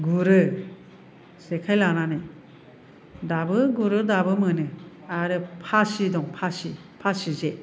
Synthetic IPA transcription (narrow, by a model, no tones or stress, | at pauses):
ɡuɾɯ | sekʰajlananɯ | dabɯɡuɾɯdabɯmɯnɯ | aɾɯpʰasidɔŋpʰasi | pʰasize